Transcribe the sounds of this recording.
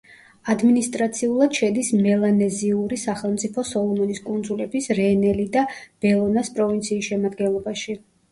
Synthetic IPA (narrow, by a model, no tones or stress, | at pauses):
ad̪minist̪ʼɾat̪sʰiulˠad̪̥ʃɛd̪ismɛlˠanɛziuɾisaχɛlˠmt̪sʼipʰɔsɔlˠɔmɔniskʼund̪zulɛbisɾɛnɛlid̪ab̥ɛlˠɔnaspʼɾɔvint̪sʰiːsʃɛmad̪ɡɛnlˠɔbaʃi